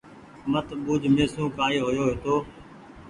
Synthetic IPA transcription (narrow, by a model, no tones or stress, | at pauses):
mət̪ɓuːd͡ʒʱmeːsũːkaːeːɦojoːɦeːt̪oː